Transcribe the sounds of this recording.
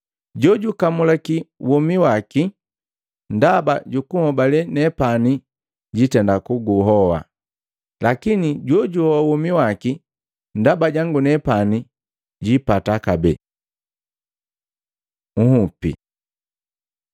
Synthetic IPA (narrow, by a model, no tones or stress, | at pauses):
ɟɔɟukamulakiwɔmiwaki | ndabaɟukuhɔbalɛnɛpani | ɟitɛndakuɡuɦɔwa̰ | lakiniɟɔɟuhɔwawɔmiwaki | ndabaɟaŋɡunɛpani | ɟipatakabɛ | ŋ̩hupḭ